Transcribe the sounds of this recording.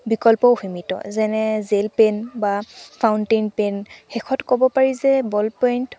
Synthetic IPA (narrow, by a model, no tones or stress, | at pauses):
bikɔlpɔhimitɔ̰zɛnɛzelpenbapʰawntejnpenxɛkʰɔtkɔbɔpaɹizɛbɔlpɔjnt